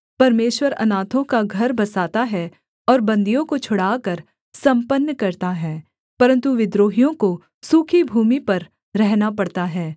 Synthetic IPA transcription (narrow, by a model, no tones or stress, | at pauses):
pɐɾmeːʃwəɾɐ̰naːt̪ʰõkaɡʱɐɾbɐsaːt̪aɦɛ | ɔːɾbɐ̃nd̪ijõkot͡ʃʰʊɽaːkɐɾ | sɐ̃mpənːkɐɾt̪aɦɛː | pɐɾə̃nt̪uʋɪd̪ɾoːɦijõko | suːkʰibʱuːmipɐɾ | ɾɛɦnapɐɽt̪aɦɛː